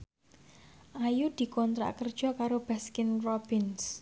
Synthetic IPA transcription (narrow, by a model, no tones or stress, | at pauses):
ʔajud̪̥i̤kɔnt̪ɾa̰ʔkərd̥ʒ̥ɔ̤kaɾob̥askɪnrɔb̥ɪns